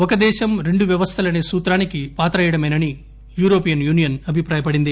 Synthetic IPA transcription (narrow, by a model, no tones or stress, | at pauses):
ɔkɐd̪ɛːʃɐmɾe̞ɳɖuʋjɐʋɐst̪ʰɐlɐneːsuːt̪ɾaːnikipaːt̪ɾɐjɐɽɐmɐnɐni | juːɾo̞ːpijɐnjuːnijɐnɐbʱipɾaːjɐpɐɽind̪i